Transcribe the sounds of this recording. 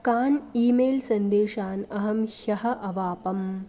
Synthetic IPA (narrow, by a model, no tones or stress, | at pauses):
kaːniːmeːlsɐnd̪eːʂaːnɐɦɐmhɐɦɐʔɐʋaːpɐm